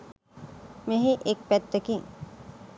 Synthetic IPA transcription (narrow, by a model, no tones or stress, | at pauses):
meɦeʔek̚pɛt̪ːekiŋ